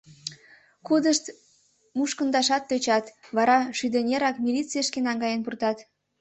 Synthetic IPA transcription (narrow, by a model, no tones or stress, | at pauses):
kud̪əʃt̪ | muʃkə̆nd̪ɑʃɑt̪ːøt͡ɕɑt̪βɑɾɑʃyd̪ənʲeɾɑkmʲilʲit͡sijəʃkenɑŋɡɑjənpurt̪ɑt̪